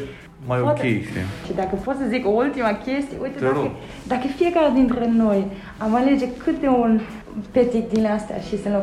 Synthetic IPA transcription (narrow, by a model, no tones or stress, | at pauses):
majopat̪kʲeʃḛt͡ʃid̪akəpot̪səzikoult̪imakʲe̞st̪ijeujt̪ea | d̪akəfie̞kaɾed̪int̪ɾeno̞j | amale̞d͡ʒe̞kʰɨt̪eun | pet̪ik̚d̪inleast̪ea̰ʃisənlo